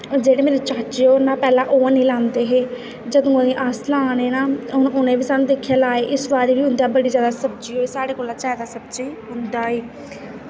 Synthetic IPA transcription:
d͡ʒeːɽeːmeːneːt͡ʃaːt͡ʃeoːnãːpɛːlãːʔoːãːnẽiːlãːnd̪eːɦeː | d͡ʒəd̪õːənẽːʔaslãːneːnaːʊnẽːʋiːsaːnũːd̪eːkʰːjaːlaːeːʔɪsʋaːɾeːʋiːɦʊ̃nd̪aːbəɽiːzjaːd̪aːsəbd͡ʒiːɦoːiːsaːɽeːkoːlãːt͡ʃɛːd̪aːsəb̚d͡ʒeːɦʊnd̪aːɦeː

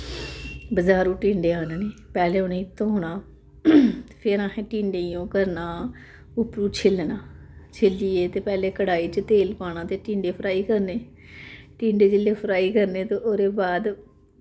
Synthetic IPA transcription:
bəzaːɾũːʈĩːɳɖeːaːnneːpɛːleːʊnẽːɪt̪ʰːõːɦoːɳaː | t̪ːpʰɪɾãːɦẽːʈĩːɳɖeːjõːkəɾnaː | ʊpɾuːt͡ʃʰɪlnaːt͡ʃʰɪlːiːeːt̪eːpɛːleːkəɽaːiːt͡ʃt̪eːlpaːɽ̃ãːt̪eːʈĩːɳɖeːpʰɾaːiːkəɾneː | ʈĩːɳɖeːd͡ʒɪlːeːpʰɾaːiːkəɾneːt̪õːʔoːɾeːbaːd̪

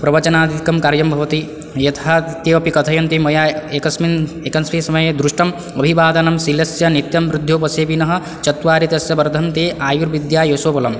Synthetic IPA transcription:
pɾɐʋɐt͡ʃɐnaːd̪ʱit̪ikɐmkaɾjɐmbʱɐʋɐt̪i | jɐt̪ʰaːt̪eːɐpikɐt̪ʰɐjɐnt̪imɐjaːeːkɐsminekɐnsmisɐmɐjed̪ɾuʃʂʈɐm | ɐbʱibaːd̪ɐnɐmsilɐsjɐnit̪jɐmʋɾud̪ʱjoːpɐseːbinɐɦɐ̆ | t͡ʃɐt̪ʋaːɾit̪ɐsjɐbɐɾd̪ʱɐnt̪eːʔaːjuɾʋid̪jaːjosoːpɐlɐm

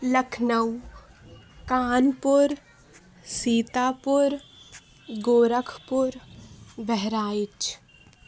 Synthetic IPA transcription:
ləkʰnəw | kaːnpʊɾ | siːt̪aːpʊɾ | ɡoːɾəkʰpʊɾbɛɦɾaːɪt͡ʃ

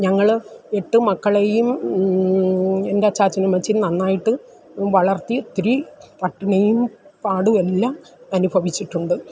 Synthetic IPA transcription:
ɲɐŋːɐɭe̞ʈːɨmɐkːɐɭejum | e̞ndeɐt͡ɕːaːt͡ɕːɐnumɐt͡ɕːinɐnːaːjiʈːɨ | ʋɐɭɐrt̪ːit̪ɾipɐʈːinɐjumpaːɽuelːaːm | ɐnubʱɐʋit͡ɕːiʈːuɳɖɨ

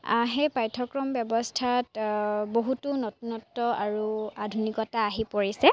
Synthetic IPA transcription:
a̰ɦɛpajtʰɔkɹɔmbjɔbɔstʰatboɦutunɔtnɔtːɔaɹuadʱunikɔtaːɦipoɹisɛ

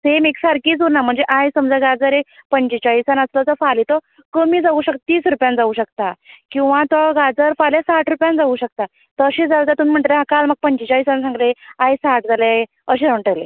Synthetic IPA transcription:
semeksaɾkiːd͡zoɾnam̤əɳd͡zeʔajsəmd͡zaɡad͡zəɾepəɲt͡ɕit͡ɕaɦisanəslɔt͡sɔfalit̪ɔ | kəmiːd͡zauɕək̚t̪t̪iːsɾupjãnd͡zauɕəkt̪akĩw̃ʋãt̪ɔɡad͡zəɾfaljasaʈʰɾupjãnd͡zauɕək̚t̪a | t̪ɔəɕed͡zalt̪at̪umim̤əɳʈ̪leɦãkalməɡ̚pəɲt͡ɕit͡ɕaisansãŋɡleajsaʈd͡zale | əɕeəɳʈəlḛ

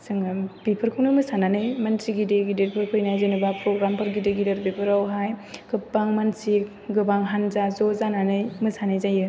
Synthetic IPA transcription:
sɯŋb̥ipʰɯɾkʰɯwnɯmɯsananɯjmansiɡideɡideɾpʰɯɾpʰɯjnajzenɯbapɾoɡɾampʰɯɾɡideɡideɾbipʰɯɾawɦajkʰɯpːaŋmansi | ɡɯbaŋɦanzazozananɯjmɯsanajzajɯ

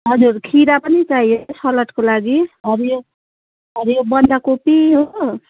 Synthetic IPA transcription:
ɦʌd͡zurkʰiɾapʌnit͡sajsʌlʌʈkolaɡiɦʌɾjo | ɦʌɾjobʌnd̪akopiɦo

